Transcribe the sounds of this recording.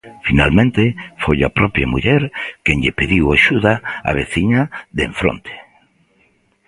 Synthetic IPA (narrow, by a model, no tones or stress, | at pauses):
finalmẽnt̪efojapɾɔpjamuʎɛɾkeɲʎepeðiwaʃuðaa̰β̞eθiɲaðeɱfɾo̰nt̪ʰe̥